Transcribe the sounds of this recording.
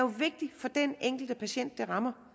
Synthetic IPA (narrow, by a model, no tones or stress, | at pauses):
joʋe̝ɡ̥̚d̥ifɒ̽d̥eneŋ̰ɡ̥l̩d̥əpʰæɕen̰d̥ːeʁɑ̈mɐ